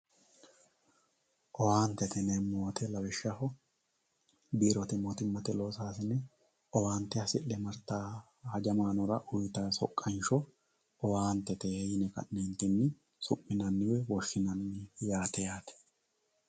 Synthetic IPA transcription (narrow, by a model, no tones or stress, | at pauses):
ʔɔwaːnt̪ɛt̪ɛnɛmːoːt̪ʰɛlɐwɛʃːɐhɔ | biːɾɔt̪ɪmɔt̪ɪmːɐt̪ɛlo̞ːsaːsɪnɛ | ɔwaːnt̪ːɛɐsɪʔːɛmɐɾt̪aː | hɐd͡ʒɐmaːnɔɾɐʔʊjt̪ɐsɔkʼːɐnʃɔ | ɔwaːnt̪ːɛt̪ɛɛjɪnɛkɐ̰nːɛnt̪ɪnːɪ | sʊmːɪnɐnːɪwɛwɔʃːɪnɐnːɪjaːt̪ɛjaːt̪ɛ̥